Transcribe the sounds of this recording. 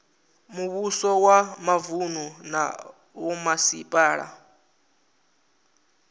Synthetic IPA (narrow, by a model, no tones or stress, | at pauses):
muβusɔwamavununa̰ | wɔmasḭpʼaːɺa̰